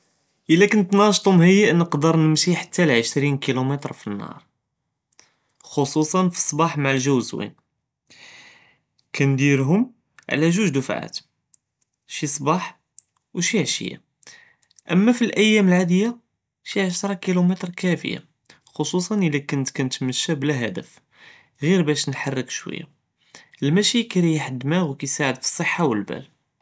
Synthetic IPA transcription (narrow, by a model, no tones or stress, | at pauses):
ʔəlːækʊnt̪nɑʃt̪ˤʊmɦəjːæʔnəqd̪əɾˤnəmʃiħḁt̪ːælʕəʃɾinkilumət̪ɾˤfinːɑ̰ɾˤ | xosˤusˤɑnfi̥sˤbɑħmaʕəlʒæwzwḭn | kænd̪iɾɦʊm | ʕ̰læʒuʒd̪ufʕa̰t̪ | ʃisˤbɑħ | wʃiʕʃə̰jːa̰ | ʔəmːæfilʔəjːæməlʕad̪əjːa | ʃiʕaʃt̪ɾˤɑkilumit̪ɾˤkæfə̰ja̰ | xosˤusˤɑnʔəlækʊnt̪kænət̪məʃːæblæɦæd̪əf | ɣiɾbæʃnħɑrˤːəkʃwə̰jːa̰ | əlmæʃikæɾijħəd̪ːmæɣwkæjsaʕəd̪fi̥sˤːəħːawəlbæ̰l